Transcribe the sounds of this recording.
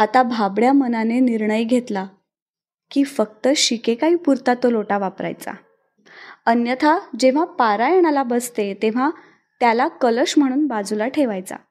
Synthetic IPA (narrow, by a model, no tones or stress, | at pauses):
at̪abʱabɽjamənaneniɾɳəjɡʱet̪la | kiːfək̚t̪əɕikekaɦiːpuɾt̪at̪oloʈaʋapɾa̰jt͡sa̰ | ənjət̪ʰad͡ʑeʋ̤apaɾajeɽ̃alabəst̪et̪eʋ̤a | t̪jalakələɕm̤əɽ̃uːnbad͡zulaʈʰeʋajt͡sa̰